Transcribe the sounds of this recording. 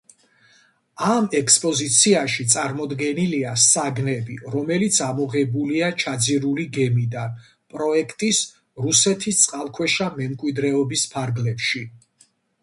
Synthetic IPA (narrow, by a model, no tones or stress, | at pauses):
amɛkspʼɔzit̪sʰiaʃit̪sʼaɾmɔd̪ɡɛniliasaɡnɛbiɾɔmɛlit̪sʰamɔʁɛbuliat͡ʃʰad̪ziɾuliɡɛmid̪an | pʼɾɔɛkʰt̪ʼis | ɾusɛt̪ʰist̪sʼqʼalˠkʰwɛʃamɛmkʼwid̪ɾɛɔbispʰaɾɡlɛpʃi